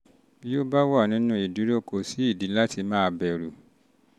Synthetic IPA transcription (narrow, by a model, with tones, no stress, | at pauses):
bi˦o˦ba˦wa˦˨nĩ˨˦nũ˦i˨di˨˦ɾo˦ko˧˨si˨˦i˦˨di˨˦la˦ti˧mãː˦˧bɛ˨ɾu˨